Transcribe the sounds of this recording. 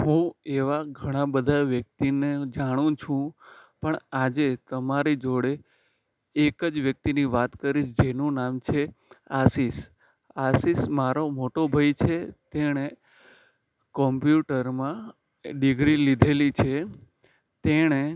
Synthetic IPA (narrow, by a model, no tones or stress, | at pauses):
ɦũeʋaɡʱəɽ̃ãbəd̪ʱaʋjək̚t̪ined͡ʒaɽ̃ũt͡ʃʰũpəɳad͡ʒet̪əmaɾid͡ʒoɽeː | kəd͡ʒʋjək̚t̪iniʋat̪kəɾiʃd͡ʒenũnamt͡ʃʰeasis | asismaɾomoʈobʱajt͡ʃʰet̪eɽ̃e | kɔmpjuʈəɾmã | ɖiɡɾilid̪ʱelit͡ʃʰe | t̪eɽ̃e